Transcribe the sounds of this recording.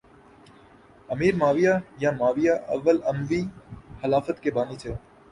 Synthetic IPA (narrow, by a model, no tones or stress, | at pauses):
əmiːɾmaːʋijajãːmaːʋijaʔɐ̰ʋːəlɐmʋiːxɐlaːfət̪kebaːnit͡ʃʰe